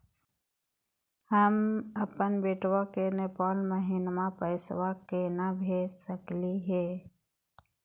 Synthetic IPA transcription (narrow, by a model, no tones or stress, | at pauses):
həməpənbeːʈwakenepaːlməɦiːnmãpəɪswakenabʱeːsəkliɦɛː